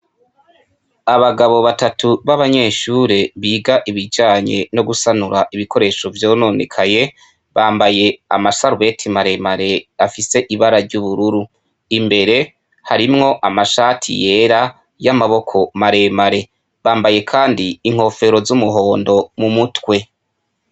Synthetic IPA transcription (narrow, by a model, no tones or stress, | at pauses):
aβaɡaβo̞βatatʰuβaβaɲe̞ːʃuːɾe̞βiːɡaʔiβid͡ʒaːɲe̞̰no̞ɡusanuɾaʔiβiko̞ɾe̞ːʃo̞vjo̞ːno̞nḛkʰaje̞ | βaːmbaje̞a̰masaɾuβe̞tʰimaɾe̞maɾe̞afise̞ʔiβaɾaɾɟuβuɾuɾu | imbe̞ɾe̞ | haɾimŋo̞ʔamaʃaːtʰḭje̞ːɾa | jamaβo̞kʰo̞maɾe̞maɾe̞ | βaːmbaje̞kʰaːndiːŋ̥ho̞fe̞ɾo̞zumuɦo̞ːndo̞mumutwe̞